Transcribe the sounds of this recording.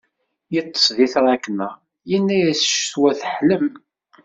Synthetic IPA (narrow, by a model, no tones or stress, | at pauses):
jət̪ˤːə̥sˤðiθɾˤækːənːəʁ | jənːæjæsʃswæθəħləm